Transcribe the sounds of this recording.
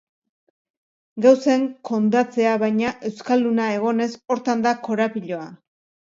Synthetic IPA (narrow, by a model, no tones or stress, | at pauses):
ɡawse̞ŋko̞nd̪at͡se̞aβajɲaʔe̞wskalːunae̞ɣ̞o̞ne̞so̞ɾt̪and̪ako̞ɾapiʎo̞a